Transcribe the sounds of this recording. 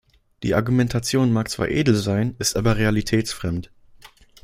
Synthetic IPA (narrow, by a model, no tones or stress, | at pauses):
d̥ḭːʔaɐɡumɛntʰat͡sjoːnmaːk̚t͡sv̥a̰ːɐʔeːdl̩zaɪnɪstʔaːbɐʁealitʰɛːt͡sfʁ̥ɛmt